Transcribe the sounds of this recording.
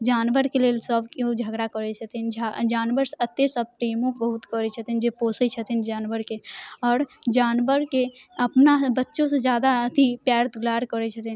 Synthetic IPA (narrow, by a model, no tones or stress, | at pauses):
d͡ʒaːnʋəɾkeleːlsəbkod͡ʒʱəɡɽakəɾɛt͡ʃʰət̪ind͡ʒd͡ʒaːnʋəɾsət̪esəb̚pɾeːmõbəɦut̪kəɾet͡ʃʰət̪ind͡ʒepoːset͡ʃʰət̪ind͡ʒaːnʋəɾkeɔːɾd͡ʒaːnʋəɾkeəpnabətːʃõsed͡ʒjaːd̪aət̪ʰipjaːɾt̪ɡlaːɾkəɾɛt͡ʃʰət̪in